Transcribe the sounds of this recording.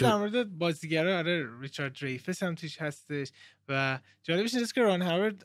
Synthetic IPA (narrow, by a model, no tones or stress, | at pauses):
d̪æɾmoɾed̪ebɒːziɟæɾɒːɒleɾit͡ʃʰɒːɾd̪rejfeshæmt̪ʰuːʃhæst̪e̞ʃvæ | d͡ʒɒːle̞beʃnseskʰʲeɾɒːnɦæveɾd̪